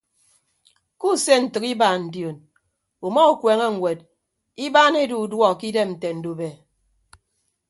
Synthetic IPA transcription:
ku˦˨se˦n̩˨tɨ˨ki˦baː˨n̩˨djo˨n | u˨mɔ˦u˨kʷe˨ŋe˦ŋ̩˨wʷe˨d | i˦baː˦ne˦du˨u˨dwɔ˦˨ki˦de˦mn̩˨te˨n̩˨du˨be˨

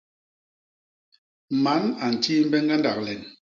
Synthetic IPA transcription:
ma˨˦na˨n̩˨ti˦m̩˦bɛ˦ŋɡa˦nda˨k̚lɛ˨n

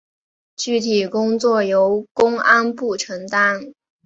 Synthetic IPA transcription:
t͡ɕy˥˩t̪ʰi˨˩kʊ˥ŋt͡swɔ˥˩jo˧˥ʊkʊ˥ŋa˥npu˥˩ʈ͡ʂʰɤ˧˥ŋt̪a˥n

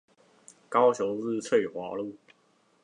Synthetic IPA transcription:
kɑ˥ʊt͡ɕʰjo˧˥ʊz̩˥˧t͡sʰwe˥˩ɪxwa˧˥lu˥˨

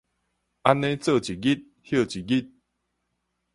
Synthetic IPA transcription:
ʔa˦nːẽ˦t͡sə˥˨t͡ɕi˨ɡi˦t̪̚ | hjə˥˧˨t͡ɕi˨ɡi˦t̪̚

